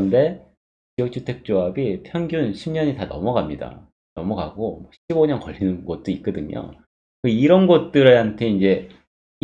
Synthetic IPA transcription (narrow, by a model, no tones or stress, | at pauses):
ʌnde̞ | t͡ɕijʌk̚t͡ɕʰutʰe̞k̚t͡ɕ͈oabipʰjʌŋɡjunɕʰimɲʌɲitanʌ̰mʌɡamɲida̰ | nʌmʌɡaɡomwʌɕʰiboɲʌnkʌʎːinɯnɡʌt̚t͈oit̚k͈ʌdɯɲo̰ | kɯiɾʌnɡʌt̚t͈ɯɾɯɭhantʰe̞ind͡ʑe̞